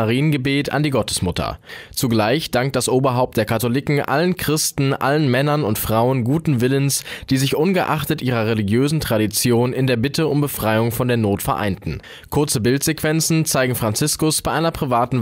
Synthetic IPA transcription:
aʁiːənɡəbeːtʰa̰ndiːɡɔtə̥smʊtʰɐ̰t͡suɡlaɪçd̥aŋk̚t̚d̥asʔoːbɐɦaʊp̚td̥eːɐkʰatolɪkŋ̩ʔa̰lənkʁ̥ɪstn̩ʔa̰lənmɛnɐnʊntfʁ̥aʊənɡuːtn̩vɪlənsd̥iːzɪçʔʊnɡəʔa̰χtətʔiːʁ̞ɐʁeliɡjøːzn̩tʁ̥aɾit͡sjoːnɪndeːɐbɪtʰəʊmbəfʁ̥aɪʊŋfɔndeːɐnoːtfɛɐʔa̰ɪntn̩ | kʰʊɐt͡səbɪltz̥ekv̥ɛnt͡sn̩t͡saɪɡŋ̩fʁ̥ant͡sɪskʊsb̥aɪʔaɪnɐpʁ̥ivaːtn̩

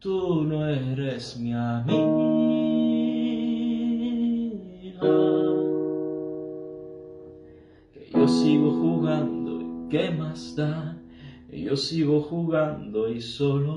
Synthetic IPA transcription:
t̪unoeɾesmiamiɣ | ɣa | kḛjosiɣoxuɣand̪o̰ikemast̪a | kḛjosiɣoxuɣand̪oisolo

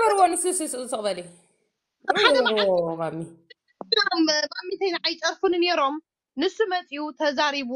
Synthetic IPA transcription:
bɐɾwonɨsɨsɨsɨt̪ʰɐχʼbɐli | ad̪ɐmaʕmamːi | mbamːit̪ʰɐjnʕajt͡ʃʼɐɾfunne̞ɾo̞m | nɨsɨmɐt͡sʼijut̪ʰɐzaɾiβu

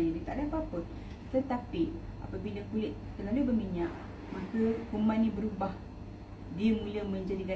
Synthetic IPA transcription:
ɲədət̪aʔdapapət̪̚ | t̪ət̪apiʔa̰pəpindəkulɪʔ̪̚t̪əlalubəmiɲaʔ | mãkəkumanːĩbəɾubah | diəmũləmə̃ɲd͡ʒadika

